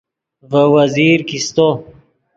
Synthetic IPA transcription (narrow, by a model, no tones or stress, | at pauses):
vəwɐziːɾkist̪o